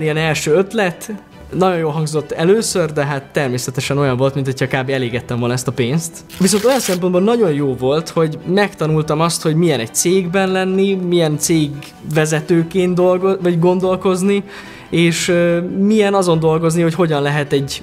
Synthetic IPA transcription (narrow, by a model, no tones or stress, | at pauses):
nijɛnɛlʃøːøt̪lɛt̪ | nɒɟo̞njoːlɦɒŋɡzo̞t̪ːɛløːsørd̪ɛɦaːt̪ːɛrmeːsɛt̪ɛʃɛno̞jɒɱvo̞lt̪minho̞cʰɒːkaːbeːɛleːɡɛt̪ːɛɱvolnɒɛst̪ɒpeːnst̪ | ʋis̬o̞nt̪o̞jɒnsɛmpo̞nbonːɒɟo̞njoːvo̞lt̪ho̞ɟmɛkt̪ɒnult̪ɒmɒst̪ho̞ɟmijɛnɛc̚t̪seːɡbɛnlɛnːimijɛnt̪seːɡ | vɛzɛt̪øːkeːnd̪olɡovɒɟɡo̞nd̪o̞lko̞zni | eːʃmijɛnɒzo̞nd̪o̞lɡo̞zniho̞cho̞ɟɒnlɛɦɛt̪ɛɟ